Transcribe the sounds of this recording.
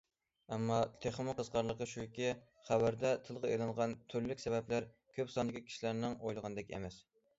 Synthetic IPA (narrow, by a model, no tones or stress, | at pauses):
ɛmːɑt̪ʰeχmʊqʰəzqɑɾlˠəqəʃujikʲi | χæbæɾd̪ɛt̪ʰɨlˠʁɑelˠɑŋʁɑnt̪ʰyɾlykʲsɛbɛplæɾ | kʲʰøpsɑnd̪ɨkʲikʲʰi̥ʃilæɾnɪŋojlˠəʁɑnɨd̪ɛkʲɛ̰mɛs